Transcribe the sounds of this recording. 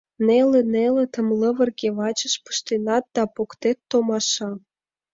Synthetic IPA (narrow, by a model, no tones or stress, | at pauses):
nelenelĕt̪əmləβə̆rɣeβɑt͡ɕəʃpə̥ʃt̪enɑt̪̚d̪ɑpokt̪et̪ːomɑʃɑ